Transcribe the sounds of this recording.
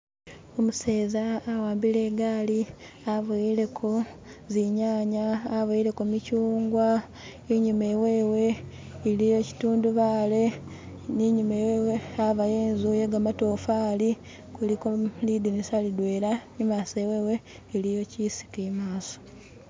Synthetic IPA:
omuse̞ːzaːwaːmbile̞ːɡaːli | aβuile̞kʰo̞ziɲaːɲaːβajile̞komicuːŋɡwa | iɲumewe̞ːwe̞ː | lijo̞ci̥tuːnduβaːle̞ | niɲumeweweaβajeːnzuje̞ɡamatofali | kulikolidinisalidwe̞ːɾaɲimasewe̞ːwe̞ː | lijo̞cisi̥kimaːso̥

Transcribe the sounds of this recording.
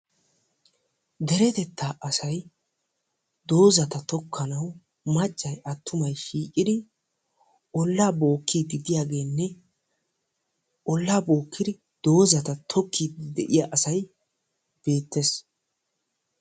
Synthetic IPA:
d̪ɛɾɛt̪ɛt̪ʰːaːʔɐsɐj | d̪o̞ːzɐt̪ɐt̪ɔkʰːɐnɐw | mɐt͡ʃʼːɐjɐt̪ːʊmɐjʃiːkʼːɪd̪ɪ | ʔɔlːaːbo̞ːkːid̪ɪd̪ɪjaːɡe̞ːnːɛ | ʔɔlːaːboːkːɪd̪ɪ | d̪̥o̞ːzɐt̪ɐt̪ʰɔkːiːd̪d̪ɛʔɪjaʔɐsɐj | b̥e̞ːt̪ːes

